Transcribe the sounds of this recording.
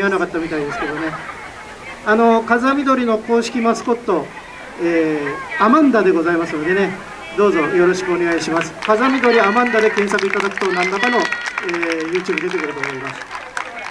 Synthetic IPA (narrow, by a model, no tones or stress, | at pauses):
ianakat̪ːamʲit̪aid̪e̞sɨ̥ke̞d̪o̞ne̞ | ano̞kazamʲid̪o̞ɾʲino̞ko̞ːɕi̥kʲimasɨ̥ko̞t̪ːo̞ | eːamãnd̪ad̪e̞ɡo̞zaimasɨno̞d̪e̞ne̞ | d̪o̞ːzo̞jo̞ɾo̞ɕi̥kɯo̞neɡaiɕimasɨ̥kazamʲid̪o̞ɾʲiamãnd̪ad̪e̞kẽɰsakɯ̟it̪ad̪akɯ̟̥t̪onãnd̪akano̞eːjɯ̟ːt͡ɕɨɯːbɯ̟d̪e̞t̪e̞kɯ̟ɾɯ̟t̪o̞ːmo̞imasɨ̥